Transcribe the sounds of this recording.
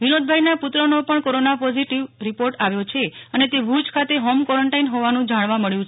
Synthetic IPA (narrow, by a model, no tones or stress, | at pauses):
ʋinod̪̚bʱajnapʊt̪ɾənopəɳkoɾonapɔziʈiʋɾipoɾʈaʋjot͡ʃʰeənet̪ebʱud͡ʒkʰat̪eɦomkɔɾəɳʈainɦoʋanũd͡ʒaɽ̃ʋaməɭjũt͡ʃʰe